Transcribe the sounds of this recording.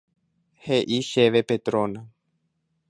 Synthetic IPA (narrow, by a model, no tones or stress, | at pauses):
heʔiʃeʋepet̪ɾõnã